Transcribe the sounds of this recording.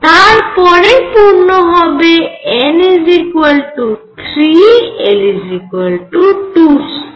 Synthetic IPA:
t̪aɹpɔɾepuɾnɔɦɔbeelizikuelʈut̪ʰɾielizikuelʈuʈus

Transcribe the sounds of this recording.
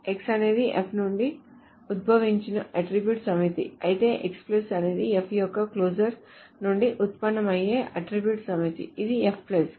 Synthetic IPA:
eksɐne̞ːd̪iʔepʰnuɳɖi | ud̪̚bʱɐʋiɲt͡ʃinɐʔɐʈɾibjuʈsɐmit̪ḭɐjit̪e̞ːʔeksplesɐneːd̪iepʰjɔkːɐkloːd͡ʒɐɾs | nuɳɖiʔut̪̚pɐnːɐmɐjeːʔɐʈɾibjuːʈsɐmit̪ḭid̪iepʰples

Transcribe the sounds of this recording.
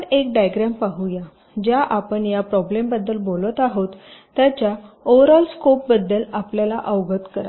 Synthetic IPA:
ek̚ɖajɡɾampaɦuja | d͡ʑjaʔapəɳjapɾɔblembəd̪ːəlbolət̪aɦot̪ː | jat͡ɕjaoʋɾalskop̚bəd̪ːəlapljalaʔəʋɡət̪kəɾa̰

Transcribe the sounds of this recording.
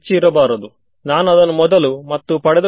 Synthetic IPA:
t͡ʃiːɾɐbaːɾɐd̪u | naːnɐd̪ɐnumɔd̪ɐlumɐt̪ːupɐɽɛd̪ɐ

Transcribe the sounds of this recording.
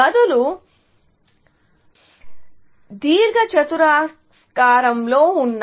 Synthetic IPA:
ɐd̪ulu | d̪iːɾɡɐt͡ʃɐt̪uɾaːsskaːɾɐmlo̞ːunː

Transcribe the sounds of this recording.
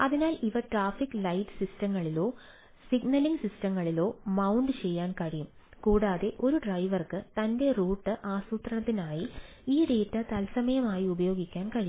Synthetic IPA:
ɐðinaːliʋɐʈraːfikːɨlɐjʈːɨ̥sistɐŋːɐɭilo̞ː | siɡnɐliŋɡsistɐmːɐɭilo̞ːmɐwɳɖɨt͡ɕe̞jːaːnkɐɻijum | kuːɽaːðe̞ʔo̞ɾuɖrɐjʋɐrkɨt̪ɐnde̞ruːʈːɨʔaːsuːt̪rɐɳɐt̪ːinaːji | iːɖe̞ːtːɐt̪ɐlsɐmɐjɐmaːjiubɐjo̞ːɡikʲːaːnkɐɻijum

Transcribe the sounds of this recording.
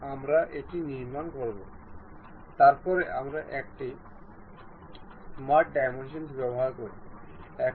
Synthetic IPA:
amɾaʔeʈiniɾmankoɾbo | t̪aɾpɔɾeʔamɾaʔɛk̚ʈi | maɖajmenʃ̬ensbɛboɦaɾkoɾiɛk

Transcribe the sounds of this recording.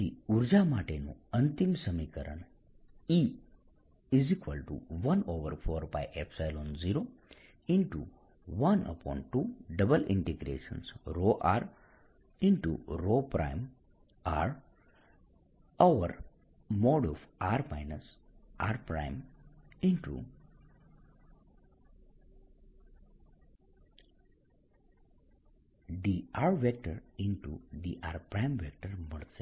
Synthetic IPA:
iuɾd͡ʒamaːʈenṵɐnt̪imsəmikəɾə̰n | i | izikʋəlʈṵʋɐnoːʋəɾpʰɔːɾba̰jʔepʰsajloːnziːɾo | iɳʈṵ | ʋɐnə̰pɔ̰ːɳʈːuɖɐbəlɪ̰̃ɳʈeɡɾḛːʃə̰nsɾoʔaːɾ | ɪɳʈṵɾoːpɾa̰ɪm | aːɾ | aʋəɾ | moːɖɔʋaːɾmaɪnəsʔaːɾpɾã̰ɪ̃mɪ̃nʈṵ | diaːɾʋek̚ʈəɾɪ̃ɳʈṵɖ̪iʔaːɾpɾãɪmʋek̚ʈəɾməɾs

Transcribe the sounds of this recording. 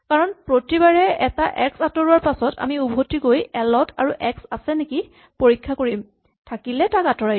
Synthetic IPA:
kaɹɔnpɹotibaɹɛɛtaʔɛksatɔɹuwaɹpasɔtʰa̰miubʱotiɡojɛlɔtʰaɹuʔɛksasɛneki | poɹikʰːakoɹim | tʰakilɛtakatɔɹaj

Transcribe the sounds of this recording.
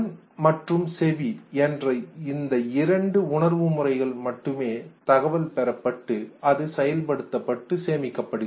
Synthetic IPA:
n | mɐʈrɯmsɛʋiɛndrɐɪnd̪ɐɪɾɐɳɖɯʊɳɐɾʋɯmʊrɐɪɣɐɭmɐʈːɯmeːt̪ɐɣɐʋɐlpɛɾɐpːɐʈːɯɐðɯsɛjɐlpɐɽɯt̪ːɐpːɐʈːɯseːmɪkːɐpːɐɽɯɣ

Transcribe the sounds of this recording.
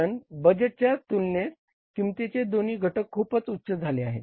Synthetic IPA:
ənbəd͡ʑəʈ̚t͡ɕjat̪ulnet̪ | kĩit̪et͡ɕed̪oniːɡʱəʈəkʰːuːpət͡sut̪ːɕəd͡zʱaleaɦḛ

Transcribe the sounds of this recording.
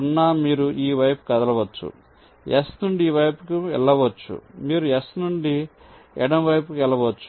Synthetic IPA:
unːaːmiːɾuʔiːʋɐjpu̥kɐd̪ɐlɐʋɐt͡ʃːṵ | ɛsnuɳɖiːʋɐjpukuɛ̰ɭːɐʋɐt͡ʃːṵmiːɾuɛsnuɳɖi | ɛɽɐmʋɐjp̬ukɛlɐʋɐt͡ʃːu̥

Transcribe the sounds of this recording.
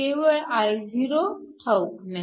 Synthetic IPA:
eʋəɭajd͡zʱiɾot̪ʰawkna

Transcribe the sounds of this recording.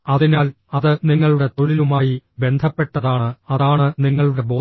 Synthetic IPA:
ɐðinaːl | ɐðɨniŋːɐɭuɽe̞t̪o̞ɭilumaːjibe̞nd̪ʱɐpːe̞ʈːɐðaːɳɨɐðaːɳɨniŋːɐɭuɽe̞bo̞ː

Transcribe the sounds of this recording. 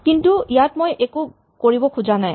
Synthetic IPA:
kintuijatmojʔeku | koɹibɔkʰuzanaj

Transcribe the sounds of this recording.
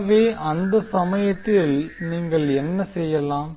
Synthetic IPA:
ʋeːʔɐnd̪ɐsɐmɐjɐt̪ːɪlniːŋɡɐɭɛnːɐsɛjːɐlãːm

